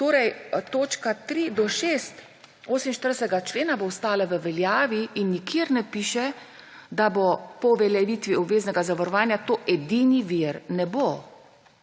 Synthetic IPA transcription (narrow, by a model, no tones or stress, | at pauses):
t̪oːɾɛjt̪oːt͡ʃkat̪ɾid̪ɔʃeːst̪ | oːsminʃt̪əɾdsɛɡat͡ʃleːnabowst̪aːlaʋəʋɛljaːʋiːnːikʰeɾnɛpiːʃɛ | d̪abɔpɔʋɛljɛʋit̪ʋiɔbʋeːznɛɡazaʋaɾɔʋaːnjat̪oːʔɛd̪iːniʋiɾnɛbo